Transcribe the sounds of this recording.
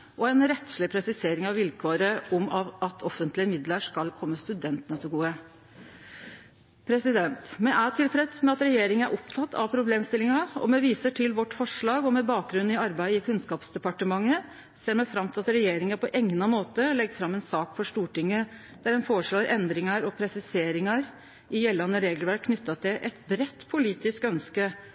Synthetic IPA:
ʔɔɛnɾɛt̪slɪpʰɾɛsɪseːɾɪŋɑʋʋɪlkʰoːɾəʔɔmɑʔɑt̪ʰɔfənt̪lɪəmɪd̪ləʂkɑlkʰɔmːəst̪ʉd̪ɛnt̪nɑt̪ɪɡuːə | pʰɾɛsɪd̪ɛnt̪mɛʔæʈʰɪlpɾɛt̪smɛɑt̪ɾɛjeːɾɪŋənæɾʔɔpt̪ʰɑt̪ʰːɑ̰ʋpʰɾʊbleːmst̪ɪlɪŋɑɔ̰mɛʋiːsəʈʰɪlʋɔʈːfɔʂɭɑːɡɔmɛbɑːk̚ɡɾʉn̩ːɪɑɾbæɪd̪əɪkʰʉnskɑːpsd̪ɛpɑʈəmɑŋːə | seːɾmɛfɾɑmt̪ʰɪlɑt̪ɾɛjeːɾɪŋɑɾpʰɔʔɛŋnɑmoːt̪əlɛɡːfɾɑmːɛnsɑːkfɔʂʈ̪uːʈɪŋːə | d̪̥æɾhɛnfoːɾəʂɭoːɾʔɛnd̪ɾɪŋɑɾɔpʰɾɛsɪseːɾɪŋɑɾ | ɪjɛlːɑnəɾeːɡlʋæʈ̚kʰnʏt̪ːɑt̪ʰɪlʔɛt̪bɾɛt̪ːpʰʊliːt̪ɪskœnskə

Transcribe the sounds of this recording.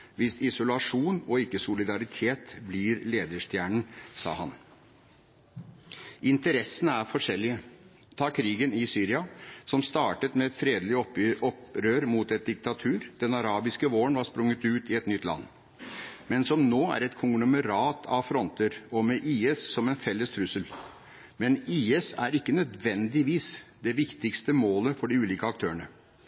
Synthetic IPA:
ʋɪsɪsʊlɑʂuːnɔɪkːəsʊlɪd̪ɑɾɪt̪ʰeːt̪blɪɾleːd̪əʂt̪jæːɳɳ̩sɑ̰ːhɑ̰n | ʔɪnt̪əɾɛsənəæɾfɔʂɛlːɪə | t̪ʰɑːkʰɾiːɡənɪsyːɾɪɑsɔmst̪ɑːʈət̪mɛɛt̪fɾeːd̪lɪɔɔpɾøːɾmuːt̪ɛt̪̚d̪ɪk̚t̪ɑt̪ʰʉːɾd̪̥ɛnɑɾɑːbɪskəʋoːəɳʋɑɾspɾʊŋːət̪ʉːt̪ɪɛt̪nʏt̪ːlɑ̰nː | mɛnsɔmnoːæ̰ɾɛt̪kʰʊŋɡlɔməɾɑːt̪ʰɑ̰ʋfɾɔnt̪əɾɔmɛʔiːɛssɔmɛnfɛlːəst̪ʰɾʉsəl | mɛniːɛsæɾɪkːənœd̪ʋɛnd̪ɪʋiːsd̪ɛʋɪkt̪ɪkst̪əmoːləfɔɖɪʉːliːkəɑk̚t̪ʰøːəɳə

